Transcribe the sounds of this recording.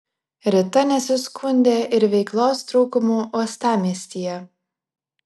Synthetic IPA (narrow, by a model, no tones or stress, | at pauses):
ɾʲɪt̪ɐnʲɛsʲʊskʰʊnʲd̪ʲeːʔɪɾʋʲɛɪklˠoːst̪ɾʊːkʊmuːʔuɔst̪ɑːmʲiɛsʲt̪ʲiːjɛ